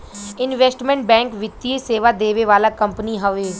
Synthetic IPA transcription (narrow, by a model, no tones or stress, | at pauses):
ɪnʋɛsʈmɛ̃ɳʈ̚bɛ̃ːŋkʋɪt̪ːieseːʋad̪eːʋeʋaːlaːkəmpniɦəʋeː